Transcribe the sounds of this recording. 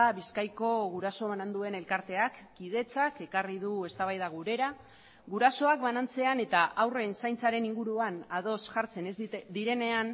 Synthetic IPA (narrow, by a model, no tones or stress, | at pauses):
aβiskajko̞ɣuɾaso̞βanand̪ue̞ne̞lkaɾt̪e̞akːið̞e̞t͡sake̞karið̞ue̞st̪aβ̞ajðaɣuɾe̞ɾa | ɣuɾaso̞ak̚βanant͡se̞ane̞t̪aʔawre̞nsajnt͡saɾe̞niŋɡuɾuanað̞o̞sʝaɾt͡se̞nd̪iɾe̞ne̞an